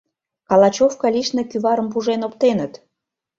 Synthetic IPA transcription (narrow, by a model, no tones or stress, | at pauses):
kɑlˠɑt͡ɕofkɑliʃnekyβɑɾə̆mp̬uʒenopt̪enət̪